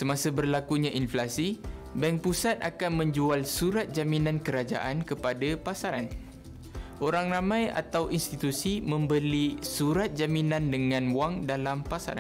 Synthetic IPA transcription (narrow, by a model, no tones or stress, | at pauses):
səmãsəbərlakuɲãʔinflasibɛŋpusat̪̚a̰kanmə̃ɲd͡ʒualsuɾat̪̚d͡ʒaminãnkəɾad͡ʒa̰ʔankəpadapasaɾan | ʔoɾaŋramãja̰t̪awʔinst̪it̪usimə̃mbəlisuɾat̪̚d͡ʒaminãndəŋãnwaŋdalampasa̰ɾa̰